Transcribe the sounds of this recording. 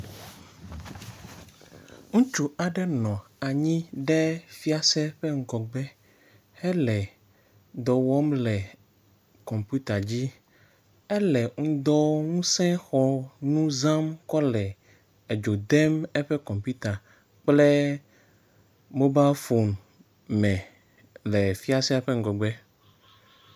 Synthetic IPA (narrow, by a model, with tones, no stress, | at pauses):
ŋũ˦t͡ʃu˦a˨ɖɛ˦nɔ̃˨a˨ɲĩ˦ɖɛ˦fi˦a˨sɛ˦ɸɛ˦ŋ̩˦ɡɔ˨ɡ͡bɛ˦ | hɛ˦lɛ˨ | d̪ɔ˨wɔ˦mlɛ˨ | kɔ̃˨mpu˦t̪a˨d͡ʑi˦ | ɛ˦lɛ˨ŋ̩̃˦d̪ɔ˦ŋũ˦sɛ̃˦xɔ˦nũ˦zã˦mkɔ˦lɛ˨ | e˨d͡ʒo˨d̪ɛ˦mɛ˦ɸɛ˦kɔ̃˨mpu˦t̪a˨ | k͡plɛ˦ | mo˦ba˦fo˨n | mɛ̃˨ | lɛ˨fi˦a˦sɛ˦ɸe˦ŋ̩˨ɡɔ˨ɡ͡bɛ˦